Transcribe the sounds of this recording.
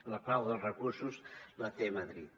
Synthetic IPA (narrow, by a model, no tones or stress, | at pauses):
ləpawðəlˠrəkuɾsuzlət̪eməðɾit̪̚